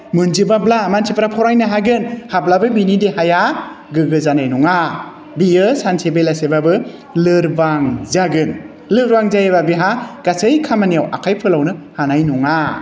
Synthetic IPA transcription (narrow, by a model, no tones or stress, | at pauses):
mɯnzibablamansʰipɾapʰɔɾajnɯɦaɡɯnhablabɯbinidehaja | ɡɯɡɯzanajnuŋa | bijɯsansʰebelasebabɯ | lɯɾbaŋzaɡɯn | lɯɾbaŋzajebabiɦaɡ̥asɯjkʰamanijawʔa̰kʰajpʰɯlawnɯhanajnuŋa